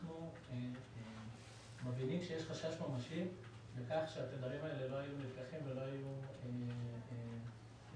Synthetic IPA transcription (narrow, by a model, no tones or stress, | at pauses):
nu | mavinimʃejeʃχaʃaʃmamaʃim | bekaχʃeat̪ed̪vaʁimaelelo̞ajunivkaχimvelo̞ajuee